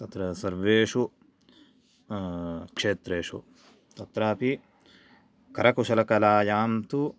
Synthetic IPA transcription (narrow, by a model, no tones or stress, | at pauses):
t̪ɐt̪ɾɐsɐɾʋeːʂu | kʂeːt̪ɾeːʂṵ | t̪ɐt̪ɾaːpi | kɐɾɐkuʃɐlɐkɐlaːjaːmt̪u